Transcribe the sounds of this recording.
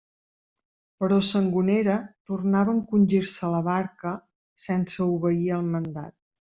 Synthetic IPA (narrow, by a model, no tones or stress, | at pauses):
pəɾɔsəŋɡuneɾət̪urnaβəːŋkunʲʒiɾsələβaɾkə | sɛnsəuβəiəlˠmənd̪a̰t̪̚